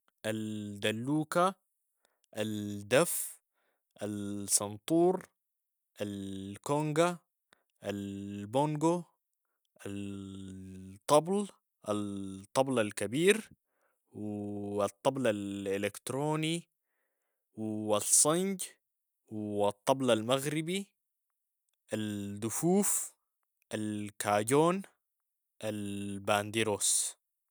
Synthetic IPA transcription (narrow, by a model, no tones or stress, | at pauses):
ʔald̪alːuːka | ʔald̪af | ʔalsɑnt̪ˤuːɾˤ | ʔalkoŋɡa | ʔalboŋɡo | ʔa | t̪ˤːɑbl | ʔɑt̪ˤːɑblalkabiːɾ | wɑt̪ˤːɑblalɪlekt̪ɾoːni | wɑsˤːɑnɟ | wɑt̪ˤːɑblalmaɣɾibi | ʔald̪ufuːf | ʔalkʰaːɟoːn | ʔalbaːnd̪iɾoːs